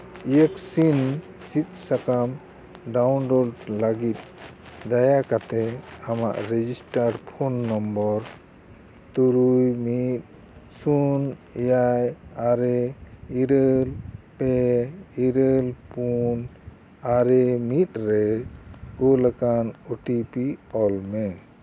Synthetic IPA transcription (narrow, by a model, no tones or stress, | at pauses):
ijəksin | sit̪̚sakam | ɖawnɾɔlɖlaɡit̪̚ | d̪ajakat̪ɛama̰ʔɾɛd͡ʒisʈaɾɾpʰɔnːɔmbɔɾ | t̪uɾujmit̪̚ | sunɛjajaɾɛiɾəlpɛiɾəlpun | aɾɛmit̪̚ˀɾɛ | ɡɔləkanuʈipiɔlmɛ